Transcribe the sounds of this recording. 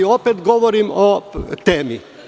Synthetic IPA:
opet̪ɡoʋoɾimot̪eːmi

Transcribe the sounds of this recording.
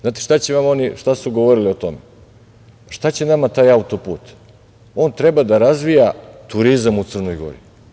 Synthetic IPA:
znaːt̪eʃt̪at͡ɕeʋamo̞niʃt̪asuɡo̞ʋo̞ɾilio̞t̪o̞me | ʃt̪at͡ɕe̞namat̪aːjaut̪o̞pṵːt̪ | o̞ːnt̪ɾe̞bad̪aɾazʋijat̪uɾizamut̪sɨr̩nojɡo̞̰ɾḭ

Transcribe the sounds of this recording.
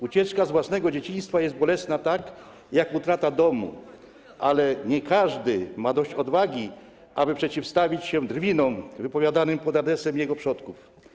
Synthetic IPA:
ut͡ɕɛt͡ʂkazvwasnɛɡɔd͡ʑet͡ɕij̃st̪fajɛst̪̚bɔlɛsnat̪ak | jakut̪ɾat̪ad̪ɔmṵ | ʔalɛɲɛkaʐd̪ɘmad̪ɔɕt͡ɕɔd̪vaɡʲi | ʔabɘpʂɛt͡ɕifst̪avʲit͡ɕɕɛd̪ɾvʲinɔmvɘpɔvʲjad̪anɘmpɔd̪ad̪ɾɛsɛmjɛɡɔpʂɔt̪kuf

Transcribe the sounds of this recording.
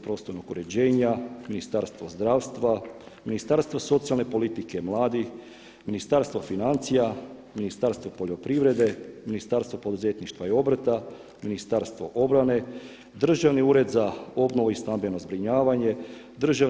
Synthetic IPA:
pɾo̞ːst̪oɾnoɡuɾe̞d͡ʑe̞ːɲaminist̪aɾst̪ʋozd̪ɾaːʋst̪ʋa | minist̪aɾst̪ʋoso̞t̪sialne̞po̞lit̪ikemlˠaːd̪ix | minist̪aɾst̪vʋofinant̪sijaminist̪aɾst̪vʋopoʎo̞pɾiʋɾe̞d̪e̞minist̪aɾst̪ʋopo̞d̪uze̞t̪niʃt̪ʋaio̞bɾt̪a | minist̪aɾst̪ʋo̞̰ʔo̞bɾane̞ | d̪r̩ʒaʋniuːɾe̞d̪zao̞bnoʋoist̪ambeno̞zbɾiɲaːʋaɲe̞ | d̪r̩ʒa

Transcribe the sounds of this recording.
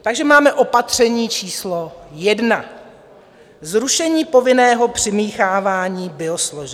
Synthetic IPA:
t̪aɡʒɛmaːmɛʔo̞pat̪r̝̥ɛɲiːt͡ʃiːslo̞jɛdna | zɾuʃɛɲiːpo̞vɪnɛːɦo̞pr̝̥ɪmiːxaːvaːɲiːbɪo̞sloʒɛ

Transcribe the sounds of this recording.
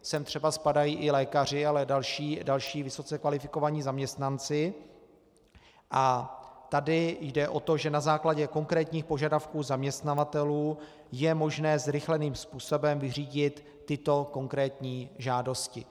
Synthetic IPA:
sɛmt̪r̥ɛbaspadajiːʔɪlɛːkar̝ɪalɛdalʃiːdalʃiːvɪso̞t͡sɛkvalɪfɪko̞vaɲiːzamɲɛst̪nant͡sɪ | ʔat̪adɪjdɛʔo̞t̪o̞ʒɛnazaːklaɟɛko̞ŋkɾɛːt̪ɲiːxpo̞ʒadafkuːzamɲɛst̪navat̪ɛluː | jɛmo̞ʒnɛːzɾɪxlɛniːmspuːso̞bɛmvɪriːɟɪt̪ːɪt̪o̞ko̞ŋkɾɛːt̪ɲiːʒaːdo̞scɪ

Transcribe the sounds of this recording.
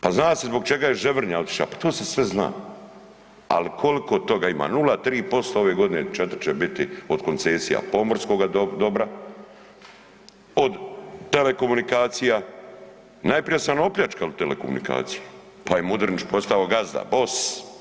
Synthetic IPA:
paznaːsezbo̞ɡ̚t͡ʃe̞ɡajeʒeʋr̩ɲao̞t̪i̥ʃla̰pḁt̪oːse̞sʋe̞zna̰ː | a̰likʰo̞liko̞t̪o̞ɡaima̰ːnulat̪ɾiːpo̞st̪ao̞ʋe̞ːɡo̞d̪inet͡ʃet̪ɾt͡ʃebit̪io̞d̪ko̞nt̪se̞ːsija̰po̞moɾsko̞ɡad̪o̞bɾa | o̞d̪t̪e̞le̞ko̞munikaːt̪sija | najpɾijasanoopʎʲat͡ʃkalut̪elḛko̞̰mṵnḭka̰ːt̪sije | pajemud̪ɾnit͡ʃpost̪aoɡazd̪a̰bo̞s

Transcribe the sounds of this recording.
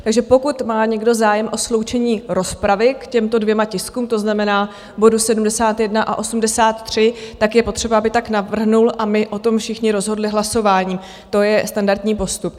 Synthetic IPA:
t̪aɡʒɛpo̞kut̪maːɲɛɡdo̞zaːjɛmʔo̞slo̞wt͡ʃɛɲiːɾo̞spɾavɪkcɛmt̪o̞dvjɛmacɪskuːmt̪o̞znamɛnaː | bo̞dusɛdumdɛsaːt̪jɛdnaʔa̰ʔo̞sumdɛsaːt̪t̪ːr̝̥ɪt̪akjɛpo̞t̪r̝̥ɛbaabɪt̪aknavr̩ɦnulʔamɪʔo̞t̪o̞mfʃɪxɲɪɾo̞zɦo̞dlɪɦlaso̞vaːɲiː | t̪o̞jɛst̪andaɾt̪ɲiːpo̞st̪up̚

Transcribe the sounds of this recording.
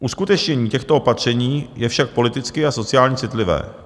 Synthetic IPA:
ʔuskut̪ɛt͡ʃɲɛɲiːcɛxt̪oopat̪r̝̥ɛɲiːjɛfʃak̚po̞lɪt̪ɪt͡skɪʔaso̞t͡sɪaːlɲɛt͡sɪt̪lɪvɛ̰ː

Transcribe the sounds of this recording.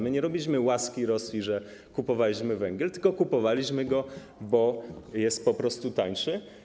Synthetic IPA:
mɘɲɛɾɔbʲilʲiɕ̬mɘwaskʲiɾɔslʲiʐɛ | kupɔvalʲiɕmɘvɛŋɡʲɛlt̪ɘ̥lkɔkupɔvalʲiɕmɘɡɔ | bɔjɛst̪̚pɔpɾɔst̪ut̪aɲʂɘ

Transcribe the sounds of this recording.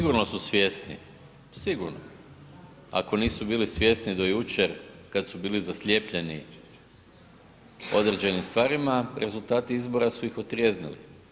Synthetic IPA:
iɡuɾno̞susʋje̞st̪nḭ | siɡuɾno̰ | a̰ko̞niːsubiːlisʋʲje̞snid̪o̞jut͡ʃe̞ɾkad̪subiːlizaslʲje̞ːpʎe̞nḭ | o̞d̪ɾed͡ʑe̞nimst̪ʋaːɾimaɾʔe̞zulˠt̪aːt̪iizbo̞ɾasuixo̞t̪ɾje̞znḭlḭ

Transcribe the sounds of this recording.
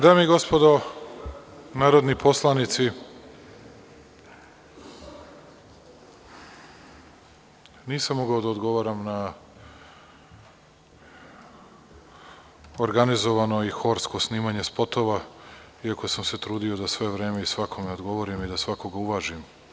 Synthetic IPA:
d̪aːmeiɡo̞spo̞d̪o | naːɾo̞d̪nipo̞slˠanit̪si | niːsamːoɡaod̪aod̪ɡo̞ʋaɾamna | oɾɡanizo̞ʋano̞ixo̞ɾsko̞sniːmaɲespo̞t̪o̞ʋa | iako̞samse̞t̪ɾuːd̪io̞d̪asʋe̞ʋɾe̞ːme̞isʋakʰo̞meod̪ɡo̞ʋo̞ɾimid̪asʋako̞ɡauʋaʒim

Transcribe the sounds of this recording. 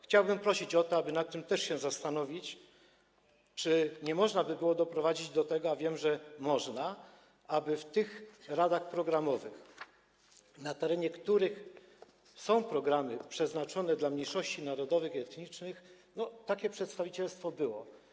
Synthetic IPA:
xt͡ɕawbɘmpɾɔɕit͡ɕɔt̪ɔabɘnat̪ːɘmt̪ɛʂɕɛzast̪anɔvʲit͡ɕ | t͡ʂɘɲɛmɔʐnabɘbɘwɔd̪ɔpɾɔvad͡ʑid͡ʑd̪ɔt̪ɛɡɔavʲjɛmʐɛmɔʐna | abɘft̪ɘxɾad̪axpɾɔɡɾamɔvɘx | nat̪ɛɾɛɲɛkt̪uɾɘx | sɔ̃w̃pɾɔɡɾamɘpʂɛznat͡ʂɔnɛd̪lamɲejʂɔɕt͡ɕinaɾɔd̪ɔvɘxiɛt̪ɲit͡ʂnɘx | nɔt̪akʲɛpʂɛt̪st̪avʲit͡ɕɛlst̪fɔbɘwɔ

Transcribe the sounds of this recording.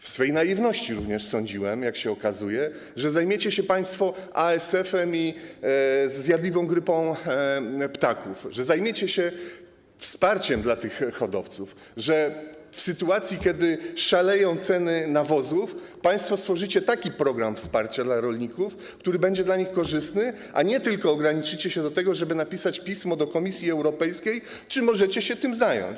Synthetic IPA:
fsfɛjnaivnɔɕt͡ɕiɾuvɲɛʂsɔ̃ɲd͡ʑiwɛmjakɕɛɔkazujɛ | ʐɛzajmʲjet͡ɕɛɕɛpaj̃st̪fɔʔaɛsɛfɛmi | zːʲjad̪lʲivɔ̃w̃ɡɾɘpɔ̃w̃ | pt̪akufʐɛzajmʲjet͡ɕɛɕɛ | fspaɾt͡ɕɛmd̪lat̪ɘxːɔd̪ɔft̪suf | ʐɛ | fsɘt̪uat̪sʲjikʲɛd̪ɘʂalɛjɔ̃w̃t̪sɛnɘnavɔzufpaj̃st̪fɔst̪fɔʐɘt͡ɕɛt̪akʲipɾɔɡɾamfspaɾt͡ɕad̪laɾɔlɲikuf | kt̪uɾɘbɛɲd͡ʑɛd̪laɲixkɔʐɘst̪nɘ | ʔa̰ɲɛt̪ɘlkɔːɡɾaɲit͡ʂɘt͡ɕɛɕɛd̪ɔt̪ɛɡɔʐɛbɘnapʲisat͡ɕpʲismɔd̪ɔkɔmʲisʲjiɛwɾɔpɛjskʲej | t͡ʂɘmɔʐɛt͡ɕɛɕɛt̪ɘmzajɔ̰ɲt͡ɕ

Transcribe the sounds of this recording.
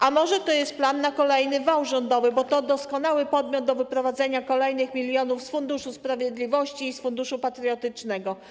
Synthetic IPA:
ʔamɔʐɛt̪ɔjɛst̪̚planːakɔlɛjnɘvawʐɔnd̪ɔvɘbɔt̪ɔd̪ɔskɔnawɘpɔd̪mʲjɔd̪̚d̪ɔvɘpɾɔvad̪zɛɲakɔlɛjnɘxmʲilʲjɔnufsfund̪uʂuspɾavʲjed̪lʲivɔɕt͡ɕiːsfund̪uʂupat̪ɾɨjɔt̪ɘt͡ʂnɛɡɔ

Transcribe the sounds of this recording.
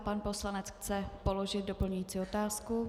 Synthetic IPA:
panpo̞slanɛt͡sxt͡sɛpo̞lo̞ʒɪt̪̚dopl̩ɲujiːt͡siːo̞t̪aːsku

